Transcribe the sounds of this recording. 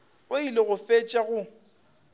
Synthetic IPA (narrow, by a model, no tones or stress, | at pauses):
ʊilɪɣʊfet͡ʃʼaɣʊ